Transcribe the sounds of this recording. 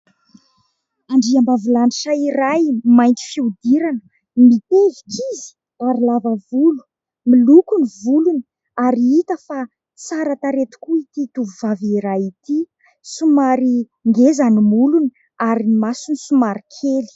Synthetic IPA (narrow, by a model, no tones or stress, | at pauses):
aɳɖ͡ʐiambavilaniʈ͡ʂaiɾajmajnt̪i̥fiud̪iɾanə̥ | mit̪evikizi̥ | aɾilavəvulu̥ | milukunivuluni | aɾiit̪əfa | t͡saɾat̪aɾet̪u̥kuit̪it̪uvuvaviɾajit̪i | sumaɾi | ŋɡezanimuluni | aɾinimasunisumaɾikʰeli̥